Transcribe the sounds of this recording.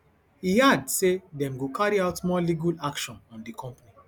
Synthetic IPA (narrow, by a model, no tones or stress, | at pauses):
hihadsedɛ̃mɡokʰaɹiaʊtmɔliɡalakʃɔ̃nɔ̃ndikʰɔ̃mpani